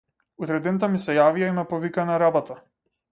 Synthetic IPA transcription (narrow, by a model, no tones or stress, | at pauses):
ut̪ɾɛd̪ɛnt̪amisɛjavijaimɛpɔvikanaɾabɔt̪a